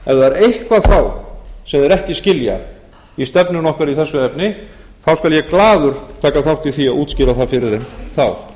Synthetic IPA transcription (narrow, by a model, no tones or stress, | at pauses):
ɛvðaɛɾejhkvaθawsɛmðɛɾɛhcɪscɪlja̰ | ɛst̪ɛpnʏnɔhkaɾiθɛsːʏɛpnɪ | θawskaljɛklaːðʏɾ̥t̪ʰaːkaθawht̪iθiaʔuːt̪scɪːɾaθaðfɪɾɪɾɪmθaw